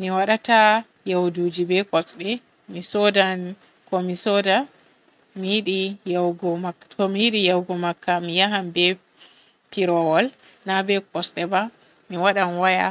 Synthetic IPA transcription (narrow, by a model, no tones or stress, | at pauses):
miwaɗata | jawdud͡ʒibɛkɔsɗɛ | misɔdan | kɔmisɔda | mijiɗijawɡɔmakːatɔmijiɗijawɡɔmakːamijaɦambɛ | piɾɔwɔl | nabɛkɔsɗɛba | miwaɗanwaja̰